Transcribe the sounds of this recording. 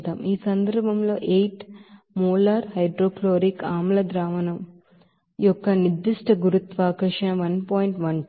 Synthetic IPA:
t̪aːmiːsɐnd̪ɐɾbʱɐmlo̞ːʔeːjʈ | muːlaːɾhɐjɖɾoːkloːɾikaːmlɐd̪ɾaːʋɐnɐm | jɔkːɐnid̪iʂʈɐɡuɾut̪ʋaːkɐʂɐʋɐnpoːjiɳʈʋɐn

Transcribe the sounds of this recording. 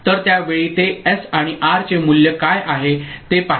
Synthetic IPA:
t̪əɾt̪jaʋeɭiːt̪eɛsaɽ̃iʔaɾt͡ɕemuljəkajʔaɦet̪epa

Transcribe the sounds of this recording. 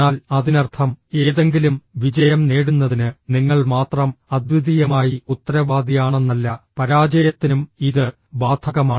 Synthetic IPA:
aːlɐðinɐrt̪ʰɐme̞ːðe̞ŋɡilumʋid͡ʑɐjɐmne̞ːɽunːɐðinɨniŋːɐɭmaːt̪rɐmɐd̪ʋud̪ijɐmaːjiut̪ːɐɾɐʋaːd̪ijaːɳe̞nːɐlːɐpɐɾaːd͡ʑɐjɐt̪ːinumiðɨ | baːd̪ʰʱɐɣɐmaː

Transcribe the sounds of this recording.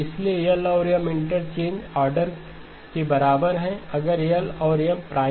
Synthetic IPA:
ɪsliejəlɔːɾjəmɪ̃ɳʈəɾt͡ʃẽːɲd͡ʒaːɾɖəɾ | kebɐɾaːbəɾɦɛ̃ɐɡəɾejəlɔːɾjəmpɾaː

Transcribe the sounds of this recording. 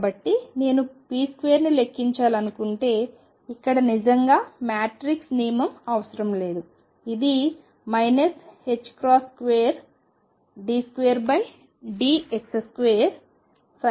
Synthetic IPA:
bɐʈːine̞ːnupiːskʋejːɐɾnile̞kːiɲt͡ʃaːlɐnukuɳʈe̞ː | ikːɐɽɐnid͡ʒɐŋɡaːmaːʈɾiksniːjmɐmɐʋɐsɐɾɐmle̞ːd̪u | id̪i | mɐjnɐshe̞t͡ʃːkɾaːskʋeːɐɾ | ɖiːskʋeːɐɾbɐj | ɖiːekseskʋejɐɾ | s

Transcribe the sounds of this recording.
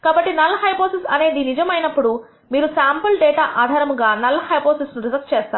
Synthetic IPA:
kaːbɐʈːinɐlːɐɦɐjpoːsisɐne̞ːd̪inid͡ʒɐmɐjnɐpːuɽu | miːɾusaːmpɐlɖɛːʈaːʔaːd̪ʱaːɾɐmɡaːnɐlːɐhɐjpoːsisnuɾizɐkst͡ʃɛːst̪aːɾu

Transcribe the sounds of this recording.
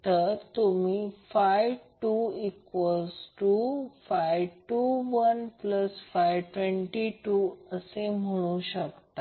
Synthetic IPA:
t̪əɾt̪umiːfajʋʈuːikʋəlsʈuːfajʋʈuʋənpləsfajʋʈʋẽɳʈiʈuːəsem̤əɽ̃ũɕəkt̪a

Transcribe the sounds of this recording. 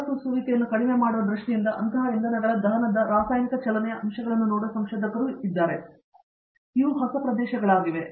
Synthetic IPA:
susuʋikejɐnːukɐɽimemaːɽuʋɐd̪ɾuʂʈijind̪ɐʔɐnt̪ʰɐɦɐind̪ɐnɐɡɐɭɐd̪ɐɦɐnɐd̪ɐɾaːsaːjnikɐt͡ʃɛlɐnɛjɐʔɐmʃɐɡɐɭɐnːunoːɽuɐsɐmʃɔːd̪ɐkɐɾuid̪ːaːɾe̞ | iʋuɦɐsɐpɾɐd̪ɛːʃɐɡɐɭaːɡiʋe̞

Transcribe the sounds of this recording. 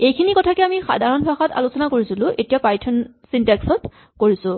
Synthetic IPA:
ejkʰinikɔtʰakɛamixa̰dʱaɹɔnbʰaxata̰lusɔnakoɹisilʊ̃ʔetijapajtʰɔn | sintɛksɔt | koɹisʊ̃

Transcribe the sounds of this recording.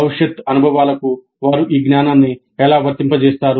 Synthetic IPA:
ɐʋiʂjɐt̪ɐnubʱɐʋaːlɐku | ʋaːɾuʔiːɡnaːnaːnnːi | ɛlaːʋɐɾt̪impɐt͡ʃɛːst̪aːɾu

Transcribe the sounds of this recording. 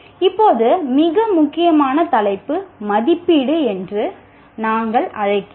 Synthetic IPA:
ɪpːoːðɯmɪɣɐmʊkːɪjɐmaːnɐt̪ɐlɐɪpːɯmɐðɪpːɪɽɯɛndrɯ | naːŋɡɐɭɐɻɐɪkːɯ

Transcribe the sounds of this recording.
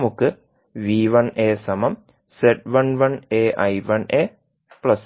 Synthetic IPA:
mukːɨ | ʋiːʋɐneːsɐmɐm | seʈ̚ʋɐnʋɐneːʔɐjʋɐneː | pɭɐs

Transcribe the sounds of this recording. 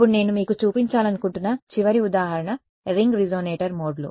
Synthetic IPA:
ɐpːuɽne̞ːnumiːkut͡ʃuːpiɲt͡ʃaːlɐnukuɳʈunːɐt͡ʃiʋɐɾiud̪aːɦɐɾɐɳɐ | ɾiŋɡɾid͡ʒoːneːʈɐɾmoːɖlṵ

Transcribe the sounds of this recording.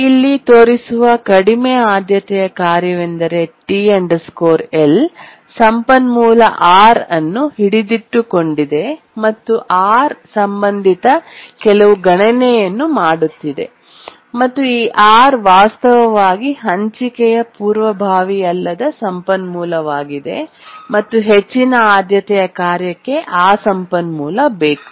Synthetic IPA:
ilːit̪oːɾisuʋɐkɐɽimɛaːd̪ʱjɐt̪ɛjɐkaːɾjɐʋend̪ɐɾe̞ʈiːɐɳɖɐskoːɾel | sɐmpɐnmuːlɐ̰ʔaːɾɐnːuɦiɽid̪iʈːuko̞ɳɖid̪e̞ | mɐt̪ːuʔaːɾsɐmbɐnd̪ʱit̪ɐkɛlɐʋuɡɐɳɐnɛjɐnːumaːɽut̪ːid̪e̞̰ | mɐt̪ːuiːʔaːɾʋaːst̪ɐʋɐʋaːɡiɦɐɲt͡ʃikɛjɐpuːɾʋɐbʱaːʋijɐlːɐd̪ɐsɐmpɐnmuːlɐʋaːɡid̪e̞̰ | mɐt̪ːuɦet͡ʃːinɐaːd̪jɐt̪ɛjɐkaːɾjɐkːe̞ʔaːsɐmpɐnmuːlɐbe̞ːku̥

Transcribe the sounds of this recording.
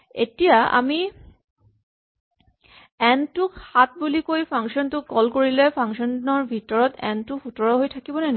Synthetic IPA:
ḛtijaa̰mi | ɛntukhat̚bulikojpʰaŋʃɔntʊkɔlkoɹilɛpʰaŋʃɔnnɔɹbʱitɔɹɔtɛ̰ntufʰutɔɹɔɦojtʰakibɔnɛn

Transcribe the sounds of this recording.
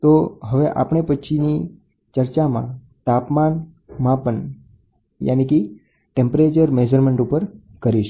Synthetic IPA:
t̪oɦəʋeʔa̰pəɳ̃epət͡ʃʰini | t͡ʃəɾt͡ʃamã̰ | t̪apman | mãpəɳ | ja̰niki | ʈẽmpɾet͡ʃəɾmed͡ʒəɾmeɳʈupəɾ | kəɾiʃ

